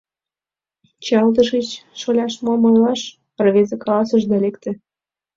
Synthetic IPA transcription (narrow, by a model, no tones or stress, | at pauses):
t͡ɕɑlt̪əʃit͡ɕʃolʲɑʃmomojlɑʃ | pərβezekɑlɑsəʒd̪ɑlekt̪ĕ